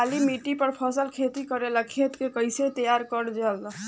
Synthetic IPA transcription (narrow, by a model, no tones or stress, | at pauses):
alimiʈipəɾpʰəsəlkʰet̪ikəɾeləkʰet̪kekəjset̪əjaɾkəɾd͡ʒəl